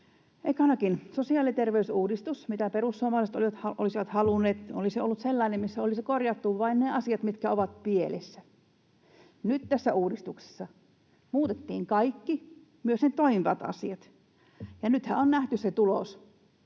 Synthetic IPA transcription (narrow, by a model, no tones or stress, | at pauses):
ʔekɑnɑkinsosiɑːlit̪erʋeysuːdist̪usmit̪æperusːuɑmɑːˑliset̪o̰liʋɑt̪hɑʔo̰lisiʋɑt̪hɑlunːˑeːt̪oliseo̰lːut̪selːɑˑinemmisːæolisikorjɑt̪ːuʋʋɑinneɑsiɑt̪mit̪kæoʋɑt̪̚pielḛsːæ | nyt̪t̪æsːæuːdist̪ukse̥sːɑ | muːt̪et̪ːḭːŋkɑikːi | myøsnet̪oimiʋɑt̪ɑ̰sḭɑt̪ | jɑnyt̪hæ̰onnæht̪ysset̪ulos